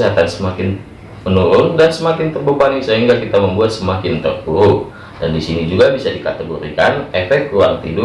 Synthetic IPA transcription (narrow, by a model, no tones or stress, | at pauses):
ɦat̪ansəmakɪn | mənuɾʊndansəmakɪnt̪ərbəbanisəɦiŋɡakit̪aməmbuat̪̚səmakɪnt̪ərbuʊ | dandisinid͡ʒuɡabisadikat̪əɡoɾikanefɛkt̪̚kuaŋt̪ḭdʊ